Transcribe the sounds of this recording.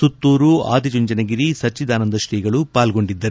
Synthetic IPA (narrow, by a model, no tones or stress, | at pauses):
sut̪ːuːɾua̰ːd̪id͡ʒuɲd͡ʒɐnɐɡiɾisɐt͡ʃːid̪aːnɐnd̪ɐʃʈiːɡɐɭupaːlɡo̞ɳɖid̪ːɐɾ